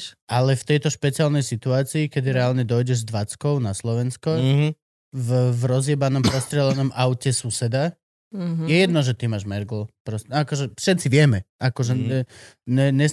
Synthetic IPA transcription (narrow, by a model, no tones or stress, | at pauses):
ʔalɛft̪ɛjt̪ɔʃpɛt͡sialnɛjsit̪uaːt͡siːkɛd̪iɾɛalɲɛd̪ɔjɟɛʒzd̪ʋat͡skɔʊnaslɔʋɛnskɔ | vvɾɔzjɛbanɔmpɾɔst̪ɾɪɛlanɔmʔaʊcɛsusɛd̪a | jɛjɛd̪nɔʒɛt̪imaːʒmɛɾɡl̩pɾɔsɛakɔʒɛfʃɛt̪t͡siʋɪɛmɛakɔʒɛɛ | ɲɛɲɛ